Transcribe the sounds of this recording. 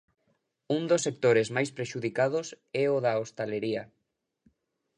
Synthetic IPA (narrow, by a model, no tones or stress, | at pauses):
und̪osːek̚t̪oɾezmajspɾeʃuðikaðʊs | ɛoðɐost̪aleɾiɐ